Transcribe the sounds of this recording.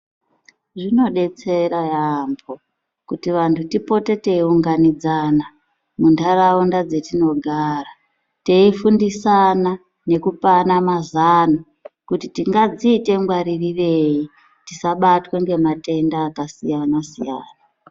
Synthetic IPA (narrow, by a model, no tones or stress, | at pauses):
ʐino̞ɗe̞t͡se̞ɾajambo | kutiʋantʰutipo̞te̞te̞iuŋɡanid͡zana | mundaraundad͡ze̞tino̞ɡʱara | te̞ifundisana | ne̞kupanamazana | kutitiŋɡad͡ziːte̞mɡwaɾiriʋei | tisaɓatweŋɡe̞mate̞ndaːkasijanasḭja̰ːna